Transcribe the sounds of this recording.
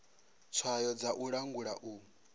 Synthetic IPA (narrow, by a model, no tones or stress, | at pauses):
t͡sʰwajɔd͡zaʔuɺaŋɡuɺaʔuː